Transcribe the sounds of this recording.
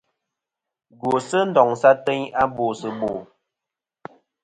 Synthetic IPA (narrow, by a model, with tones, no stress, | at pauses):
ɡo˨sə˦n̩˨dɔ˨ŋsa˦te˦ɲa˦bo˨sə˨bo˨